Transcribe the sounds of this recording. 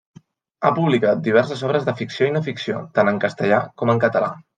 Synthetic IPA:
a̰puβlikat̪̚d̪iβ̞ɛɾsəzɔβ̞ɾəzðəfiksioinəfiksio̰t̪anəŋkəst̪əʎakɔməŋkət̪əla̰

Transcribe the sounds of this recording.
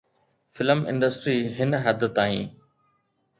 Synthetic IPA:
fɪləmɪ̰̃ɳɖəsʈɾiːɦɪnɦɐd̪t̪aːḭ̃ː

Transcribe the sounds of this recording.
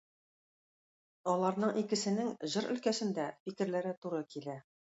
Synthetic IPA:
ɒlˠɑɾnɤɴʔikɘ̆sɘ̆nɘŋʑɤɾɵ̆lkæsɘ̆nd̪æfikɘ̆ɾlæɾɘt̪uɾɤkilæ

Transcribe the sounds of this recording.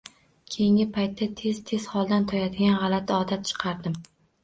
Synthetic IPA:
kʲʰejɪŋʲɪpʰajt̪ʰːat̪ʰe̞zt̪ʰe̞z̥hɒlˠd̪ant̪ʰɒjad̪ɪɡʲanʁɑlˠat̪ʰɒd̪at̪̚t͡ʃʰɨ̥qʰɑɾd̪ɪm

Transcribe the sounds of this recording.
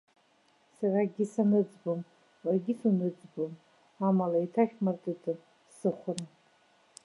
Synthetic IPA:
saraɡʲisanɨd͡zbom | warɡʲisunɨd͡zbom | amalaitʰaχʲmartʼitʰʼɨn | sɨχʷʊna

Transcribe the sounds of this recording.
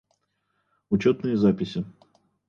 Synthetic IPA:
ʊt͡ɕot̪nɨjəzapʲɪsʲɪ

